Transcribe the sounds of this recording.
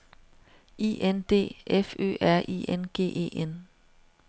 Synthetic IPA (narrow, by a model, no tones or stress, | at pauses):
ḭːʔend̥e̝̰ːʔefø̰ːæɐ̰ʔḭenɡ̥e̝̰ːʔe̝̰ːʔen